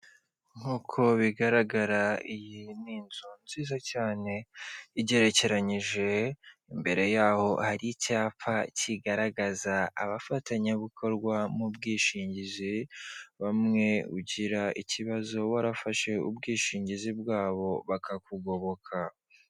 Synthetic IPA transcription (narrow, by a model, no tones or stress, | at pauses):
ŋ̥uːkʰo̞βiɡaɾaɡaɾaijiniːnzonziːzacaːne̞iɟe̞ɾe̞ce̞ɾaɲiʒe̞imbe̞ɾe̞jaːho̞haɾicaːpaciɡaɾaɡaza̰ːβafataɲaβukʰo̞ɾɡwamubɡiːʃiːɲɟiziβamŋe̞ṵɟiɾaʔiciβazo̞waɾafaʃe̞ṵbɡiːʃiːɲɟizibɡaːβo̞βakʰakuɡo̞βo̞kʰa